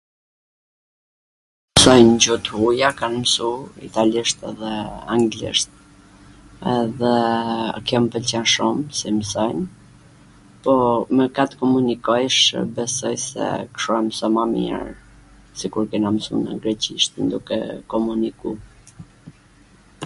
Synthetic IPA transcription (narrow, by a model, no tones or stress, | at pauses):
sɔjnd͡ʑut̪ujakanmsuḭt̪aliʃt̪ɛ̰ðɛaŋɡlḭʃt̪̚ | ɛðɛ̰kjɛmpəlt͡ɕɛnʃumsimsɔjn | pɔmɛkat̪kɔmunikɔjʃbɛsɔjsɛ̰kʃuamsɔmamjɛ̰ɾ | sikuɾkɛnamsṵna̰ɡɾɛt͡ɕiʃt̪ənd̪ukɛ̰kɔmuniku